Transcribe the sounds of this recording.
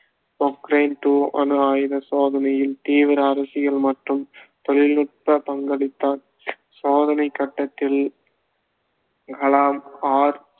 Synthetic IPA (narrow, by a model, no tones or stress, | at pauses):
ɔkɾɐɪnʈ̪uːʔɐ̰nɯaːjðɐsoːðɐnɐjɪlt̪iːʋɪɾɐːɾɐsɪɣɐɭmɐʈrɯmt̪ɔɭɪlnʊʈ̚pɐpɐŋɡɐɭɪt̪ːaːn | soːðɐnɐɪkːɐʈːɐt̪ːɪl | kɐlaːmaːɾ